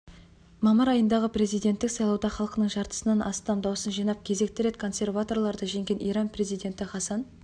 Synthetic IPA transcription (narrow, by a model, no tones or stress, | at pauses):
mɑməɾɑjənd̪ɑʁəpre̞zijd̪e̞nt̪ːɪksɑjlˠɑwd̪ɑχɑlˠqənəɴʒɑɾt̪ə̥sənɑnʔɑst̪ɑmd̪ɑwsənʒijnɑp̚kʲʰe̞ze̞k̚t̪ɪɾe̞t̪kʰo̞nse̞rvat̪o̞rlˠɑɾd̪ɑʒe̞ŋɡʲe̞nʔijɾɑnpʰre̞zijd̪e̞nt̪ɪχɑsɑn